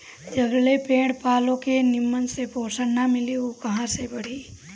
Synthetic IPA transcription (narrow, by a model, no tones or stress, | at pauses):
d͡ʒɐɡlepẽːɽpaːlõkenɪmːənsepoːsənnamɪliukɐɦãsebɐɽ̤iː